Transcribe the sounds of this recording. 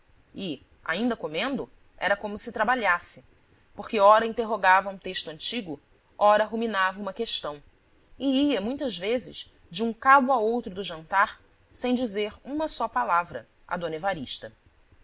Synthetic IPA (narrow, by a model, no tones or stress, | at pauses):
ɪ | a̰ĩnd̪ɐkomẽnd̪ʊ | ɛ̰ɾɐkõmʊsɪt̪ɾabaʎasɪ | poɾkɪɔɾɐĩnt̪eɦoɡavɐũt̪eʃt̪ʊɐ̃nt͡ʃiɡʊ | ɔɾɐɦuminavɐũmɐkeʃt̪ɐ̃w̃ | ɪiɐmũj̃t̪ɐzvezɪ̰ʃ | d͡ʒɪũkalʊaowt̪ɾʊd̪ʊʒɐ̃nt̪aɾ | sẽj̃d͡ʒizeɾũmɐsɔpalavɾɐ | ɐ̰d̪õnevaɾiʃt̪ɐ